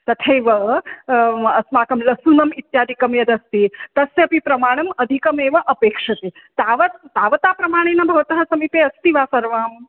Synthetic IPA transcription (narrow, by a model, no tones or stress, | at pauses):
t̪ɐt̪ʰeːʋɐ | ɐsmaːkɐmlɐsuːnɐmit̪jaːd̪ʱikɐmjɐd̪ɐst̪it̪ɐsjɐpipɾɐmaːɽ̃ɐmɐd̪ʱikɐmeːʋɐʔɐpeːkʂɐt̪eː | t̪aːʋɐt̪̚t̪aːʋɐt̪aːpɾɐmaːɽ̃eːnɐbʱɐʋɐt̪ɐɦɐsɐmipeːɐst̪iʋaːsɐɾʋaːm